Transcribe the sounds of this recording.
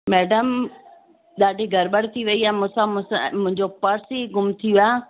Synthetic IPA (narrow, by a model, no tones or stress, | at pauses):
mɛːɖəm | ɗaːɖʱiɡʱɐɾɓəɽ̤t̪ʰiʋɐiaːmʊ̃sãmʊ̃sãmʊ̃ɪ̃ɲd͡ʑopɐɾsiɡʊmt̪ʰijuaː